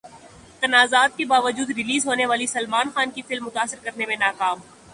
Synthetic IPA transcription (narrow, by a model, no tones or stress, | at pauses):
t̪ɐnaːzaːt̪̚kebaːʋəd͡ʒuːd̪ɾɪliːzɦoːneʋaːlisɐlmaːnxaːnkifɪlmːʊt̪aːsːɪɾkɐɾnemẽnaːkaːm